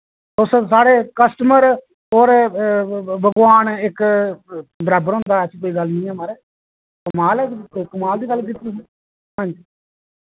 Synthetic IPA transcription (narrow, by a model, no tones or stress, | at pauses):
t̪ossaːɽeːkəsʈəməɾ | ɦoːɾ | bəɡʋaːnɪk | ɖɾaːbəɾɦʊ̃ːnd̪aːt͡ʃʰikoːiːɡəlnĩːɛːmaːɾeː | kəmaːlɛːkəmaːld̪iːɡəlːkit̪ːes | əɲd͡ʒ